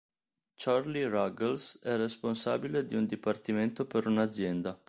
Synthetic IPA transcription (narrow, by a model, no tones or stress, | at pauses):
t͡ʃarliraɡelsɛresponsaːbiled̪iund̪ipart̪iment̪opeɾunad̪zːjɛnd̪a